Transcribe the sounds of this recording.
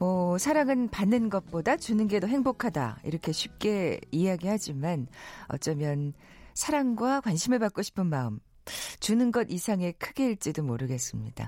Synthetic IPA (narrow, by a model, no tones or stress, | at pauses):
mʌsʰaɾaŋɯnpanːɯnɡʌt̚p͈odat͡ɕunɯnɡe̞doɦe̞ŋbokʰada̰ḭɾʌkʰe̞ɕʰip̚k͈e̞ieɦaɡihad͡ʑimanʌ̰t͡ɕ͈ʌmjʌn | sʰaɾaŋɡwakwanɕʰimɯɭpak͈̚oɕʰi̥pʰɯnmaɯm | t͡ɕunɯnɡʌdisʰaŋe̞kʰɯɡe̞iɭt͡ɕ͈idomoɾɯɡe̞s͈ɯmɲid̥a̰